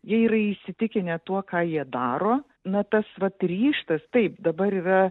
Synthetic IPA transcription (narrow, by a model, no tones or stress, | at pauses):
jiɛiːɾɐɪʃʲsʲɪt̪ʲɪkʲɪnʲɛt̪uɔkɑːjiɛd̪ɑːɾoː | nɐt̪ɐsʋɐt̪rʲiːʃt̪ɐst̪ɐɪpd̪ɐbɐɾiːrɐ